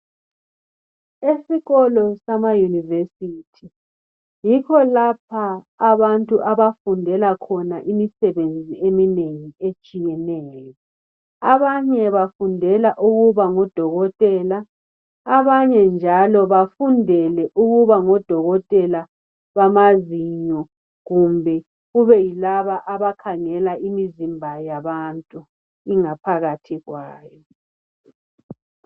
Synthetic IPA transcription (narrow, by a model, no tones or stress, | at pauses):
esiɣɔlɔsamajunivesiːtʰi | jikʰɔlapʰaː | βantʼuʔaβafundʱɛlakʰɔnaʔimisɛβend͡zʱiemineŋiet͡ʃʼijɛnɛːjɔ | aβaɲɛβafundʱɛlaʔuɣuβaŋɔd̥ʱɔɣɔtʼɛlaː | βaɲɛnd͡ʒʱalɔβafundʱɛlɛʔuɣuβaŋɔd̥ʱɔɣɔtʼɛla | βamaziɲɔ | ɣumbʱɛ | ɣuβɛjilaβaʔaβakʰaŋɛlaʔimizimbʱajaβantʼu | iŋapʰaɣatʰiɣwaːjɔ